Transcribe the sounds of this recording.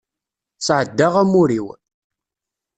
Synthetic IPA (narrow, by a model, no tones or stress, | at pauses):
sʕəd̪ːaʁæmuɾiw